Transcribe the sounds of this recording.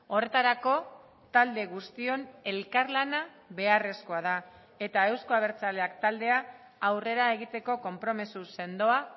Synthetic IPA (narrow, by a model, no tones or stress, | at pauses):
o̞re̞t̪aɾako̞ | t̪ald̪e̞ɣ̞ust̪io̞ne̞lkaɾlana | βe̞are̞sko̞að̞a | e̞t̪ae̞wsko̞aβ̞e̞ɾt͡sale̞akt̪ald̪e̞aː | wre̞ɾae̞ɣ̞it̪e̞ko̞ko̞mpɾo̞misuse̞nd̪o̞a